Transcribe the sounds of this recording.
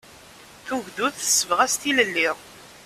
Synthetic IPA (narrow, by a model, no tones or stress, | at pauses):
θuʝðuθə̥sːəvʁæst̪iləlːiʁ